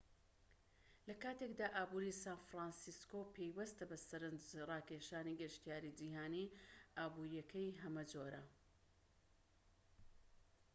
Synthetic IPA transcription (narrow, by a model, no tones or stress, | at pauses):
lɐkaːt̪ekd̪aːʔaːbuːɾisaːnfɾaːnsiskopʰejwɐst̪ɐbɐsɐɾɨnd͡ʒrɑːkeːʃaːniɡɨɾʃt̪ijaːɾid͡ʒiɦaːniʔaːbuːɾijɐkʰɐjɦɐmɐd͡ʒoɾɐ